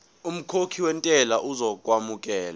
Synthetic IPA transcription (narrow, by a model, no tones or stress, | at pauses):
um̩kʰokʰiwɛntʼɛlaʔuzɔkʼwamuk̬ʼɛːla